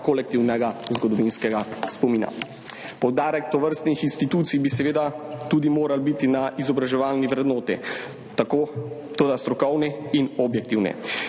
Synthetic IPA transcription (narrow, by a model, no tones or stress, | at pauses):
kolɛk̚t̪iwnɛɡazɡɔd̪ɔʋinskɛɡaspɔmiːna̰ | pɔwd̪aːɾɛkt̪ɔʋəɾst̪nixinst̪it̪uːt̪sijbisɛʋeːd̪at̪ud̪imoːɾalbit̪inaʔizɔbɾaʒɛʋaːlniʋɾɛd̪noːt̪i | t̪akoː | t̪oːd̪ast̪ɾɔkɔwnɛinɔbjɛk̚t̪iːwnɛ̰